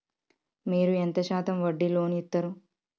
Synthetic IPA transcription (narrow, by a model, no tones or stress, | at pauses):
miːɾuent̪ɐʃaːt̪ɐmʋɐɖːilo̞ːniit̪ːɐɾu